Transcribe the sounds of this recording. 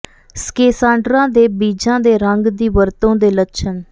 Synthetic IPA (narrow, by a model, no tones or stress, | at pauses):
skeːsãːɳɖɾãːd̪eːbiːd͡ʒãːd̪eːɾəŋɡd̪iːʋəɾt̪õːd̪eːlətːʃʰən